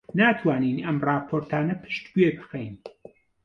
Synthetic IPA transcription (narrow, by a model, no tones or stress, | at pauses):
naːt̪ʰwaːninɐmraːpʰoɾt̪ʰaːnɐpʰɨ̥ʃt̪bɥebɨxejn